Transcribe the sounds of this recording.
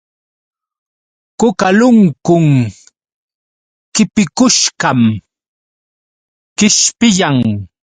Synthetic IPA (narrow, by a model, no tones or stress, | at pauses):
kʊkalʊŋkʊŋ | kɪpɪkʊʃkam | kɪʃpɪjaŋ